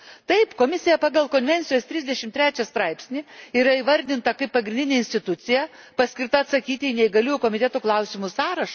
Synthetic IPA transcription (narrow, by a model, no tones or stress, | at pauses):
t̪ɐɪpkoːmʲɪsʲɪjɛpɑːɡɐlˠkoːnʲʋʲɛnʲtsʲɪjoːst̪ʲɾʲɪzʲd̪ʲɛʃʲɪmt̪ʲɾʲæːt͡ʃʲɛst̪ɾɐɪpʲsʲnʲɪiːɾɐiːʋɐɾʲd̪ʲɪnt̪ɐkɐɪppɐɡɾʲɪnd̪ʲɪnʲeːɪnʲstʲɪt̪ʊt̪sʲɪjɛ | pɐsʲkʲɪrt̪ɐɐt̪sɐkʲiːt̪ʲɪinʲɛɪɡɐlʲuːjʊkoːmʲɪt̪ʲɛt̪oːklˠɐʊsʲɪmʊsɑːɾɐʃ